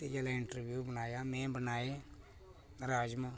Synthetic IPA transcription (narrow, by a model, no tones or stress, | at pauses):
t̪ed͡ʒɛːlaɪɳʈəɾbjuːbənaːjaːmɛ̃ːbənaːe | ɾaːd͡ʒmə